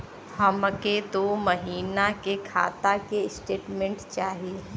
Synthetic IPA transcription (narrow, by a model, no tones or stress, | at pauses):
həməket̪omɐɦiːnakekʰa̰ːt̪akeɪsʈeːʈmẽɳʈt͡ʃaːɦie